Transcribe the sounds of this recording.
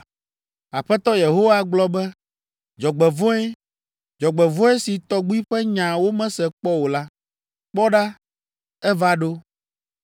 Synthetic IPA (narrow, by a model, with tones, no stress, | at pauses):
a˨ɸɛ˦t̪ɔ˦je˨ɦo˦wa˦ɡ͡blɔ˦bɛ˦ | d͡ʒɔ˨ɡ͡bɛ˨võ˦ɛ˦ | d͡ʒɔ˨ɡ͡bɛ˨võ˦ɛ˦si˨t̪ɔ˨ɡ͡bu˦i˦ɸɛ˦ɲã˨wo˦mɛ̃˦sɛ˨k͡pɔ˦wo˨la˦ | k͡pɔ˦ɖa˦ | ɛ˦va˦ɖo˦